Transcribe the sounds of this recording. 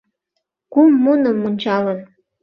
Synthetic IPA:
kumːunə̆mːunʲt͡ɕɑlɤn

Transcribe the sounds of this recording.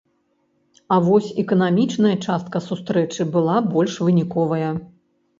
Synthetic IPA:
ɐvɔsʲɛkɐnamʲit͡ʂnɐjɐt͡ʂast̪̚kɐsust̪ɾɛt͡ʂɨbɨlˠabɔlʲʂvɨnʲikɔvɐjɐ

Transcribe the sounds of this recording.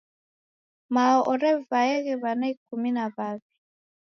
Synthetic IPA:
maɔʔɔɾɛvaɛɣɛβanaikuminaβaβi

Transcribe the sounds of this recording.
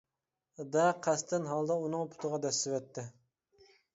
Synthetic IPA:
d̪ɛqʰɛst̪ɪnɦɑlˠd̪ɑunɨŋpʰʊ̥t̪ʰʊʁɑd̪ɛsːɪwɛt̪ʰːɪ

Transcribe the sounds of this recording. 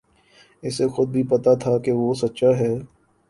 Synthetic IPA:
ɪsexʊd̪̚bʱipɐt̪at̪ʰakeʋosɐtːʃaɦɛː

